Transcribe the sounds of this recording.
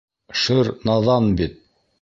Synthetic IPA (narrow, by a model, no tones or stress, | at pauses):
ʃɘɾnɑðɑnbit̪̚